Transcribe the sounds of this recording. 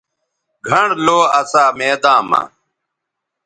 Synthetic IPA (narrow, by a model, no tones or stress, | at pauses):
ɡʱɐɳloːɐsaːmeːd̪ãːma̰